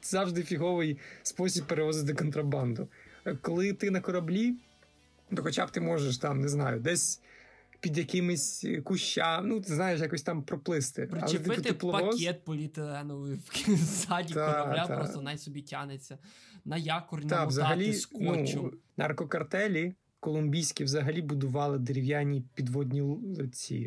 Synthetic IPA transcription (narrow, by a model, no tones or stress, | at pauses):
zɑʋʒd̪ɪfʲiɦɔʋɪjspɔsʲib̚pːeɾeʋɔzɪt̪ʲd̪ɔkɔnt̪ɾɐbɑnd̪ʊkɔlˠɪt̪ɪnɐkɔɾɐblʲi | t̪ɔxɔt͡ʃa̰b̚t̪ɪmɔʒeʃ̬t̪ɑmneznɑjʊd̪ɛsʲ | pʲid̪ʲjɐkɪmɪsʲkʊʃt͡ʃːamnut̪ɪznɑjɪʃ̬jakɔsʲt̪ɑmpɾɔplˠɪst̪ɪpɐ̰lˠɛt̪ɪt̪ɪplˠɔpɔk̪ʲɛt̪̚pɔlʲit̪eɛnɔʋɪwsɑdʲt̪aɐlʲaɔnajsɔbʲitʲanet͡sʲːɐnɐjakɔrnʲt̪ɑʋzɐɦɐlʲiknunɐ̰rkɔkɐrt̪ɛlʲi | kɔlˠʊmʲbʲijsʲkʲiʋzɐɦɐlʲibʊd̪ʊʋɑlˠɪd̪eɾʲiwjanʲipʲid̪ʋɔd̪ʲnʲiɔt͡sʲːḭ